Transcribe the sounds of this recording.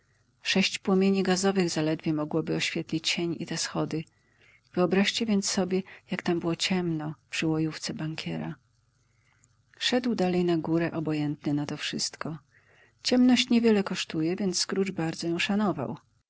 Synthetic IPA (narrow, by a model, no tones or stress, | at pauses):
ʂɛɕt͡ɕpwɔmʲjeɲiɡazɔvɘɣzalɛd̪vʲjɛmɔɡwɔbɘɔɕfʲjɛt̪lʲit͡ɕt͡ɕeɲḭt̪ɛsxɔd̪ɘ | v̥ɘɔbɾaɕt͡ɕɛvʲjɛnt̪ssːɔbʲjɛjakt̪ambɘwɔt͡ɕɛmnɔpʂɘwɔjuft̪sɛbaŋkʲɛɾa | ʂɛd̪wd̪alɛjnaɡuɾɛʔɔbɔjɛnt̪nɘnat̪ɔfʂɘst̪kɔ | t͡ɕɛmnɔɕt͡ɕɲɛvʲjɛlɛkɔʂt̪ujɛvʲjɛnt̪sskɾut͡ʂbaɾd̪zɔjɔ̃w̃ʂanɔva̰w